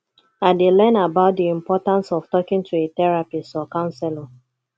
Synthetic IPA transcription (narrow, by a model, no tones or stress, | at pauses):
adelɛnabaʊt̚diĩmpɔtãnsɔftɔkɪ̃ŋtʰuetɛɹapistɔkãʊ̃nsɛlɔ